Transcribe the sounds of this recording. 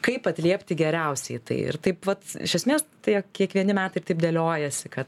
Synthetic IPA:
kɐɪpɐt̪ʲlʲiɛpʲt̪ʲɪɡʲɛɾʲɛʊsʲɛɪt̪ɐ̰ɪɪ̰ɾt̪ɐɪpʋɐt̪ɪ̰ʃʲɛsʲmʲeːst̪ɐɪkʲiɛkʋʲiɛnʲɪmʲæːt̪ɐɪrt̪ɐɪp̚d̪ʲelʲoːjɛsʲɪkɐt̪

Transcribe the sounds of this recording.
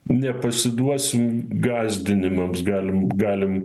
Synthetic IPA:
nʲɛpɐsʲɪd̪uɔsʲɪmɡɑːzʲd̪ʲɪnʲɪmɐmsɡɑːlʲɪmɡɑːlʲɪm

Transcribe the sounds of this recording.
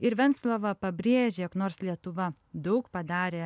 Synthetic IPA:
ɪɾʋʲɛnt̪slˠoːʋɐpɐbʲɾʲeːʒʲeːknoːɾslʲiɛt̪ʊʋɐ | d̪ɐʊkpɐd̪ɑːɾʲeː

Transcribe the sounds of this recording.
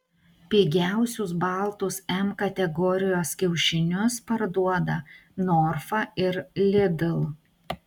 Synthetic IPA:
pʲiːɡʲæˑʊsʲʊsbɐˑlˠt̪ʊsɛmkɐt̪ʲɛɡɔːɾʲɪjoːskʲɛʊʃʲɪnʲʊspɐɾd̪uɔd̪ɐnɔɾfɐɪɾlʲɪd̪ʲɪlˠ

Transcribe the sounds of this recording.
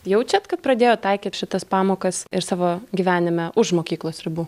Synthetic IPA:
jɛʊt͡ʃʲɛt̪kɐt̪̚pɾɐd̪ʲeːjoːt̪ɐɪkʲiːt̪ʃʲɪt̪ɐspɑːmoːkɐsɪɾsɑːʋoːɡʲiːʋʲæːnʲɪmʲɛʔʊʃmoːkʲiːklˠoːsɾʲɪbuː

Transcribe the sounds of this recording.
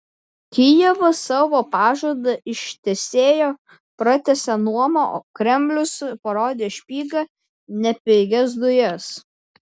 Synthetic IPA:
kʲɪjɛʋɐsɑːʋoːpɑːʒuɔd̪ɐʔɪʃt̪ʲɛsʲeːjoː | pɾɐt̪ʲɛsʲɛnuɔmɐoːkɾʲɛmʲbʲlʲʊspɐɾoːd̪ʲeːʃʲpʲiːɡɐ | nʲɛpʲɛɪɡʲɛs̬d̪ʊjɛs

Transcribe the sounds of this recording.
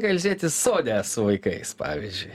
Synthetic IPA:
kɐlʲzʲiɛt̪ʲɪsoːd̪ʲɛːssʊʋɐɪkɐɪspɑ̰ːʋʲizʲd͡ʒʲʊɪ

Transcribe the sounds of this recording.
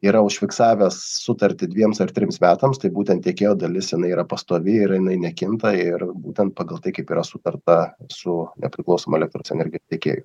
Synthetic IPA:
iːɾɐʊʃʲfʲɪksɑːʋʲɛsːʊt̪ɐɾʲt̪ʲɪd̪ʲʋʲiɛmsɐrt̪ʲɾʲɪmsmʲæːt̪ɐmst̪ɐɪbuːt̪ʲɛnt̪t̪ʲeɛkʲeːjoːd̪ɐlʲɪsjɪnɐɪiːɾɐpɐst̪oːʋʲɪɪɾjɪnɐɪnʲɛkʲɪnt̪ɐɪɾbuːt̪ʲɛnt̪̚pɑːɡɐlˠt̪ɐɪkɐɪpiːɾɐsʊt̪ɐrt̪ɐsʊnʲɛ̰pʲɾʲɪklˠɒʊsoːmɐɛlʲɛkt̪ɾoːsɛnʲɛɾʲɡʲɪjost̪ʲeɛkʲḛːjʊ

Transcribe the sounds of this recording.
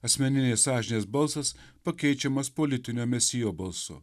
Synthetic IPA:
ɐsʲmʲɛnʲɪnʲeːsɑːʒʲɪnʲeːsbɐlˠsɐspɐkʲɛɪt͡ʃʲɛmɐspolʲɪt̪ʲɪnʲoːmʲɛsʲɪjoːbɐlˠsʊ̰

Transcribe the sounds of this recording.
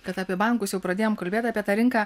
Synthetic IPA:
kɐt̪ɐːpʲiɛbɐˑŋkʊsjɛʊpɾɐd̪ʲeːjoːmkɐlʲbʲeːt̪ʲɑːpʲiɛt̪ɑːɾʲɪŋkaː

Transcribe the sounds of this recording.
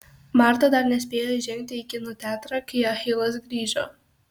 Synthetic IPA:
mɑˑɾt̪ɐd̪ɐɾnʲɛsʲpʲeːjoːʒʲɛŋʲk̚ʲt̪ʲɪɪkʲɪnʊt̪ʲæːt̪ɾɐkɐɪɐxʲɪlˠɐsɡɾʲiːʒoː

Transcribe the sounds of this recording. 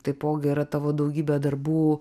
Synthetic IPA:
t̪ɐɪpoːɡʲɪiɾɐt̪ɑːʋoːd̪ɐʊɡʲiːbʲɛd̪ɐɾbuː

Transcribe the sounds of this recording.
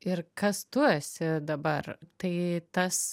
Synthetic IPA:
ɪɾkɐst̪usʲɪd̪ɐbɐrt̪ɐɪt̪ɐs

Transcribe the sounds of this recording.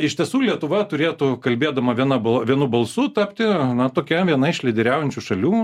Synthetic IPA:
ɪʃʲt̪ʲiɛsuːlʲiɛt̪ʊʋɐt̪ʊɾʲeːt̪ʊkɐlʲbʲeːd̪ɐmɐʋʲiɛnɐbɐʋʲiɛnʊbɐlˠsʊt̪ɐpʲt̪ʲɪnɐt̪oːkʲɛʋʲiɛnɐɪʃʲlʲɛɪd̪ʲɛɾʲæːʊjɛnʲt͡ʃʲuʃɐlʲuː

